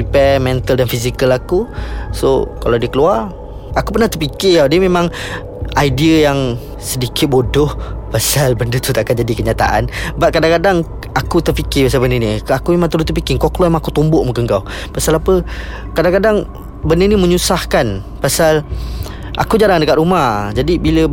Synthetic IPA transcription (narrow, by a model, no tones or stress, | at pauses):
ipɛmɛnt̪əldanfisikəlakuso̰kalawdiəkəluar | akupərnaht̪əpikɪjawdiəmemãŋ | aidiəjaŋ | sədikɪt̪̚bodʊhpasalbəndət̪ut̪aʔakand͡ʒadikəɲat̪a̰ʔa̰nbaʔ̚kadaŋkadaŋ | akut̪ərpikɪpas̬abəndəniakumemãŋt̪əlʊt̪əp̬ikɪŋkɔklɔmemaŋakut̪umbʊʔmuŋkəŋkaw | pasalapə | kadaŋkadaŋ | bəndəniməɲusahkan | pasal | ʔa̰kud͡ʒaɾaŋdəkat̪̚ɾumahd͡ʒadibilə